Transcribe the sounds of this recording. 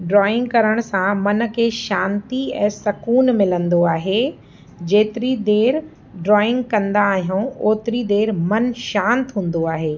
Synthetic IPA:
ɖɾɔːɪ̃ŋɡkɐɾəɽ̃sãmɐn̆kʰeːʃãːnt̪iɛ̃ːsɐkuːnmɪlə̃nd̪oaːɦe | d͡ʑeːt̪ɪɾid̪eːɾ | ɖɾɔːɪ̃ŋɡkɐ̃nd̪aːɦijũoːt̪ɪɾid̪eːɾmɐnʃãːnt̪ɦũːn̆d̪oaːɦeː

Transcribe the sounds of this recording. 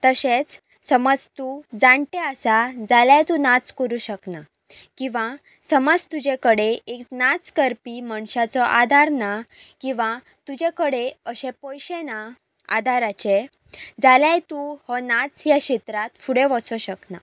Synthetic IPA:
t̪əɕet͡s | səməd͡zt̪ud͡zãɳʈeəsad͡zaljajt̪unat͡skəɾũɕəkna | kĩʋa | səməd͡zt̪ud͡ʑekəɽeeknat͡skəɾpimaɳɕat͡sɔʔad̪ʱaɾnakĩʋã | t̪ud͡ʑekəɽeəɕẽpɔ̃jɕẽna | a̰d̪ʱaɾat͡ɕe | d͡zaljajt̪uhɔnat͡sjaɕet̪ɾat̪fuɽeʋɔt͡sɔɕəkna

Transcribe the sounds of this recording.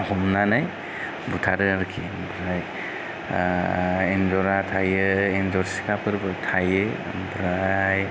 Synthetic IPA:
hɔmnanaj | butʰaɾɯaɾkʰi | bɾaj | enzɔɾatʰajɯenzɔɾsi̥kapɯɾbɯtʰaje | bɾaj

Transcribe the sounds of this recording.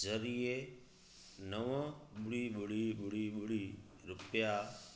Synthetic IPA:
zəɾie | nəʋəɓʊɽiːɓʊɽiɓʊɽiɓʊɽi | ɾʊpja

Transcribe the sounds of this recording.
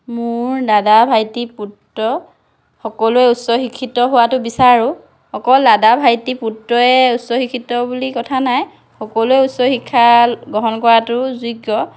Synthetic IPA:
mʊɹdadabʱajtiputːɔ | xɔkɔluɛutsɔxikʰːitɔɦʊwatʊbisaɹʊ | xɔkɔlːadabʱajtiputɹɔɛutsɔxikʰːitɔbulikɔtʰanaj | xɔkɔlʊɛutsɔxikʰːaɡɔɦɔnkɔɹatʊzuɡːɔ

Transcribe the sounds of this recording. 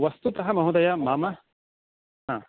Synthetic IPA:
ʋɐst̪ut̪ɐɦɐmɐɦud̪ɐjamaːmɐ | ɦaː

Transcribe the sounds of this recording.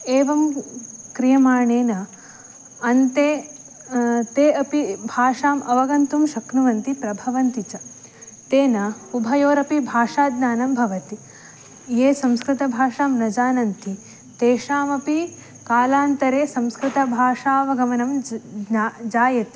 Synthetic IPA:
eːʋɐmkɾijɐmaːɳeːnɐː | nt̪eː | t̪eːɐpibʱaːʂaːmɐʋɐɡɐnt̪umʃɐknuʋɐnt̪ipɾɐbʱɐʋɐnt̪it͡ʃɐ | t̪eːnɐubʱɐjoːɾɐpibʱaːʂaːd̪naːnɐmbʱɐʋɐt̪i | jeːsɐ̃mskɾɪt̪ɐbʱaːʂaːmnɐd͡ʒaːnɐnt̪i | t̪eːʂaːmɐpi | kaːlaːnt̪ɐɾeːsɐmskɾɪt̪ɐbʱaːʂaːʋɐɡɐmɐnɐm | d͡ʒaːjɐt̪i̥

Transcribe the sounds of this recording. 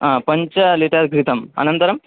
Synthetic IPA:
aːpɐɲt͡ʃɐliʈɐɾɡɾit̪ɐmɐ̰nɐnt̪ɐɾɐm

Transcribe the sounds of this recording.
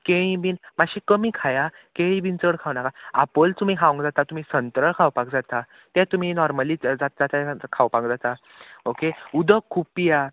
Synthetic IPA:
keɭĩbiːnmaɕikəmiːkʰaja | keĩbʱint͡səɽkʰaʋnakaapəlt̪um̤iːɦaʋə̃ŋɡd͡zat̪at̪um̤iːsənt̪ɾəɭkʰawpak̚d͡zat̪a | t̪ɛ̃t̪um̤inɔɾməliːd͡zat̪̚d͡zat̪akʰawpãkd͡zat̪a | okeud̪ʱəkʰːuppːija

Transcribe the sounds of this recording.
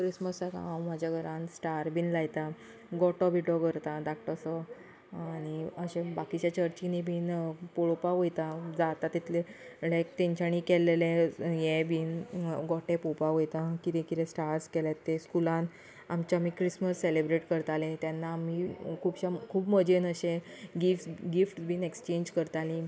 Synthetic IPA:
kɾisməsaka̰ãwmad͡ʑʱjaɡʱəɾansʈaɾbʱiːnlajt̪a | ɡɔʈɔbʱiʈɔɡəɾt̪ad̪ak̚ʰʈəsə | aɽ̃iəɕẽbakit͡ɕjat͡ɕəɾt͡ɕinibʱiːnpoɭopaɦojt̪ad͡zat̪at̪it̪ʰlelajkt̪ẽɲt͡ɕañikɛlelẽjɛbʱiːnɡɔʈẽpopaɦojt̪ãkiɾẽkiɾẽsʈaɾskɛljat̪ːeskulãn | amt͡ɕaamikɾisməsːelebɾeʈkəɾt̪alẽt̪janːaːmikʰuːbɕakʰuːbməd͡ʑʱenəɕẽɡifsɡifʈbʱiːnekst͡ɕẽɲd͡ʑkəɾt̪alĩ

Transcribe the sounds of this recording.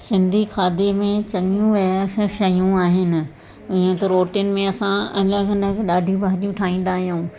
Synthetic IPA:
sɪ̃nd̪ʱikʰaːd̪emẽt͡ɕɐŋijũʋɐkʃɐjũaːɦɪnɪ̆ | ɪẽt̪ɐɾoːʈijʊnɪ̆mẽɐsãɐləɡɪnəkɗaːɖʱĩbaːɗijũʈʰaːĩːnd̪aːɦijũː

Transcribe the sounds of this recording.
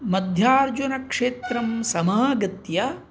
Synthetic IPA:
mɐd̪ʱjaːɾd͡ʒunɐkʂeːt̪ɾɐmsɐmaːɡɐt̪jɐ

